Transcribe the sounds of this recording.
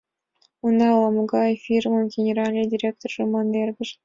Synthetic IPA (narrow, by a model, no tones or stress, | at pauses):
und̪ɑlˠɑmuɡɑjfʲirmənɡʲenʲeɾɑlʲnʲedʲirʲek̚t̪orʒomɑnːerʲɡʲɘʃ